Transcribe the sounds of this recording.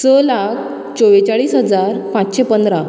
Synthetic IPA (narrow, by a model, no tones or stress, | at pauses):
səlak̚ʰ | t͡ɕoʋet͡ɕaɭiːsɦəd͡zaɾpãt͡sɕepənd̪ɾa